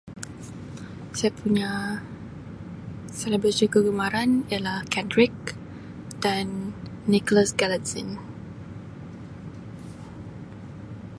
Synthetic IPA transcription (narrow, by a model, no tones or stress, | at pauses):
sajapʰuɲa | sɛləbɾəsikəɡumaɾanijalahkʰɛndɾɪk̚ | d̥anːikɔlasɡalatsĩn